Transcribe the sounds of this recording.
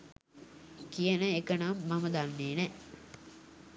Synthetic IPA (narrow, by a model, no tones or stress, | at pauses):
kijənəekənamːaməd̪anːeːnɛ